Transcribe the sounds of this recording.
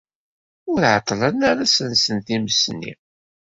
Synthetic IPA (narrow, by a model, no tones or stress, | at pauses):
ʊɾʕət̪ˤːlənaɾæsənsənθiməsnːḭ